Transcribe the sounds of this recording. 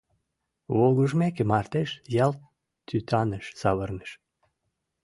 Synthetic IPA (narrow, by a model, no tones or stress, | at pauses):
βolɣuʒmekemɑrt̪eʃjɑlt̪ | t̪ːyt̪ʰɑnəʃsɑβərnə̥ʃ